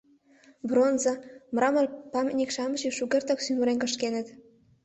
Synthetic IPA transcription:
bronzɑ̆mɾɑmɤrpɑmʲnʲikʃɑmɤʒiʃuɣʲert̪oksymuɾenkə̆ʃkenə̆t̪

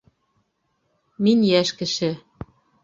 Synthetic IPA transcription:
minʲjæʃkɘ̆ʃɘ̆

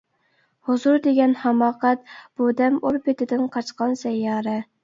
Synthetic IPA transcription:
hozuɾd̪eɡʲɛnhɑmɑːqɛt̪̚b̥ud̪ɛmuɾpɪt̪ʰɪd̪ɪnqʰɑt͡ʃqɑnsɛjːɑːɾɛ

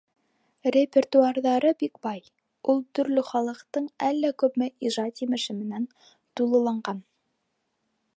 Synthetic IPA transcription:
rʲepʲert̪uarðɑɾɤbikbɑj | ulˠt̪ɵ̆ɾlɵχɑlˠɤ̆qt̪ɤɴælːækʉ̆pmɘʔiʒɑt̪jimɘ̆ʃɘmɘ̆næn | t̪ulˠɤ̆lˠɑɴɢɑn

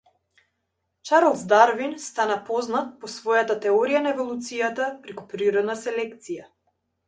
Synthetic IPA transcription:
t͡ʃaɾlˠzd̪aɾvinst̪anapɔznat̪̚pɔsvɔjat̪at̪ɛɔɾijanaɛvɔlˠut̪sijat̪apɾɛkupɾiɾɔd̪nasɛlɛkt̪sija

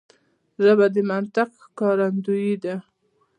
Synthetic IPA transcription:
ʒabad̪əmant̪ɪq | kɑɾand̪ujid̪a

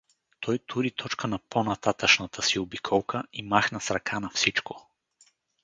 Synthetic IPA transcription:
t̪ʰɔjt̪ʰuɾit̪ʰɔt͡ʃkənɐpʰonɐt̪at̪əʃnɐt̪ʰəsiobikʰɔlˠkʰəimaxnɐsɾɐkʰanɐfsit͡ʃko

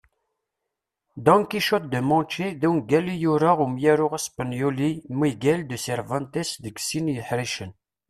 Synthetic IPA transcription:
d̪ɑ̃ŋkiʃot̪̚d̪əmɑ̃t͡ʃiðæwnɡælijuɾaʁumjæɾʊʁæspənjolimiɡæld̪əsɛɾvɑ̃nt̪ɛsðəɡsinjəħɾiʃən

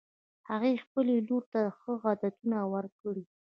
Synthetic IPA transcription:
haɣexpəleloɾt̪axəɣɑd̪at̪unawaɾkəɽi

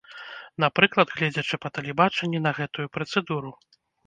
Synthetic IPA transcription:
napɾɨklˠɐd̪ɣlʲɛd͡zʲɐt͡ʂɨpɐt̪ɐlʲɛbat͡ʂɛnʲːɛnɐɣɛt̪ujupɾɐt̪sɛd̪uɾu

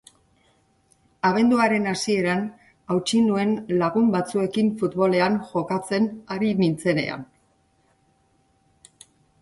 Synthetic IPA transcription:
aɣ̞e̞nd̪uaɾe̞nasie̞ɾan | awt͡ʃinue̞nlaɣumbat͡sue̞kiɱfut̪βo̞le̞anʝo̞kat͡se̞naɾimint͡se̞ne̞̰a̰n

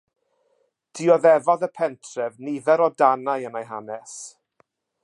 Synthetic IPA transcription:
d̥iɔðɛvɔðəpʰɛntʰrɛvnivɛɾɔdanajənajɦanɛs

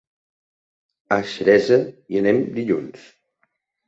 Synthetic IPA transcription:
əʃəɾɛzəiənɛmd̪iʎuns

